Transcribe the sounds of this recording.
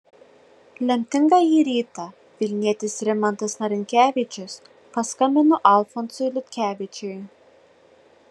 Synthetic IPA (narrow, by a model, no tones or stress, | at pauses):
lʲɛmʲt̪ʲɪŋɡɐiɾʲiːt̪ɐ | ʋʲɪlʲnʲiɛt̪ʲɪsɾʲɛmɐnt̪ɐsnɐɾʲɪŋʲkʲæːʋʲɪt͡ʃʲɪs | pɐskɐmʲɪnɔʔɐlˠfɔnsʊjlʲɪt̪ʲkʲæːʋʲɪt͡ʃʲʊj